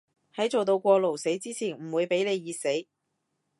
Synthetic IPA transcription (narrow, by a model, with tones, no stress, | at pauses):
hɐ˨˥jt͡so˨wt̪o˧wkʷɔː˧lo˨˩wse˨˥jt͡siː˥t͡sʰiː˨˩nm̩˨˩wuː˨˧jpe˨˥jle˨˧jːiː˧se˨˥j